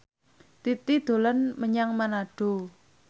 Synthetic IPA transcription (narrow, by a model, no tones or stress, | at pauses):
t̪it̪id̪̥o̤lənməɲaŋmanaɖ̥o